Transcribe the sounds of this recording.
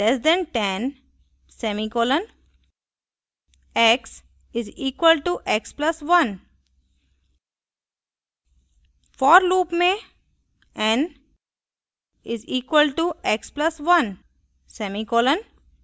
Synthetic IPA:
lɛsɖɛ̃ɳɖʈɛ̃n | semikoːlə̃n | eks | ɪziːkʋəlʈuʔekspləsʋʌ̃n | fɔːɾluːpmẽ | ɛ̃n | ɪziːkwəlʈuʔeksplsʋʌ̃n | semikoːlə̃n

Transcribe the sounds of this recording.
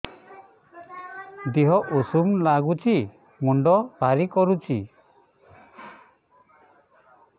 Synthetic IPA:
d̪iɦɔʔusumlaɡut͡ʃʰi | muɳɖɔb̥ʱaɾikɔɾut͡ʃʰḭ

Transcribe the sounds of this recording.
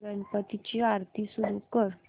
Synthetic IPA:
ənpət̪it͡ɕiaɾt̪ʰisud̪ʱukəɾ

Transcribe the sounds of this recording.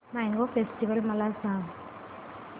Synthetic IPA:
majŋɡofesʈiʋəlmalalsam

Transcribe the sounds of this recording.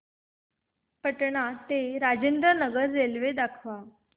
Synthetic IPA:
pəʈɳat̪eɾad͡ʑend̪ɾənəɡəɾd͡zelʋed̪akʰʋa

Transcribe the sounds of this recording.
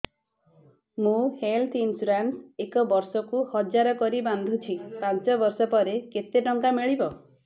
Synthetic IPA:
mũhelt̪ʰinsuɾansekɔbɔɾsɔkuhɔd͡ʒaɾɔkɔɾiband̪ʱut͡ʃʰipãnt͡ʃɔbɔɾsɔpɔɾeket̪eɖɔŋkamiɭibɔ

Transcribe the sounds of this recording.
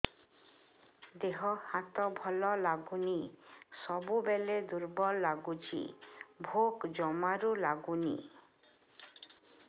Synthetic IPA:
d̪eɦɔhat̪ɔbʱɔlɔlaɡunisɔbubeled̪uɾbɔlːaɡut͡ʃḭbʱokd͡ʒɔmaɾulaɡunḭ

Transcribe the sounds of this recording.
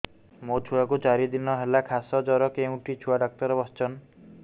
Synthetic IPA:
mot͡ʃʰuakut͡ʃaɾid̪inɔɦelakʰasɔd͡ʒɔɾɔkeũʈit͡ʃʰuaɖɔk̚t̪ɔɾɔbɔst͡ʃɔn

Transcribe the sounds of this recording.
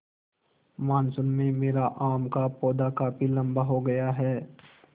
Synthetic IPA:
maːnsʊnmẽmeːɾaʔaːmkapɔːd̪akaːpilɐ̃mbaɦoɡɐjaɦɛː

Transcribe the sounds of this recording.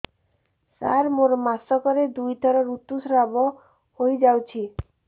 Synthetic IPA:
sa̰ɾmoɾɔmasɔkɔɾed̪ujt̪ʰɔɾɔɾut̪usɾabɔ | hojd͡ʒawt͡ʃʰi

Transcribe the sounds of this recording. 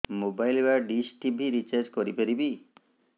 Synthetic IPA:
mobajlbaɖisʈibʱiɾit͡ʃaɾd͡ʒkoɾipeɾibi

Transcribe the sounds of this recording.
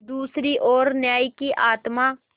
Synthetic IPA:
d̪uːsɾiːʔoːɾnjaːiːkiːʔaːt̪maː

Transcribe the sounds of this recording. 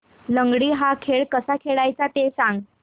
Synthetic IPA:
ləŋɡɽiːɦakʰeɭkəsakʰeɭajt͡sat̪esãŋɡ

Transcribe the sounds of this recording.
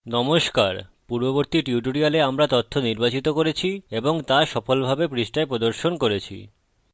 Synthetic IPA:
nɔmoʃkaɾpuɾboboɾt̪iʈuʈoɾialeamɾat̪ot̪ʰːoniɾbat͡ɕit̪okoɾet͡ɕʰieboŋt̪aʃɔfolbʱabepɾiʃʈaepɾod̪oɾʃonkoɾet͡ɕʰḭ

